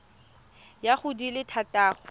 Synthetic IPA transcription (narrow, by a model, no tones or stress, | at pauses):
jaχʊdilɪtʰatʼaːχɔ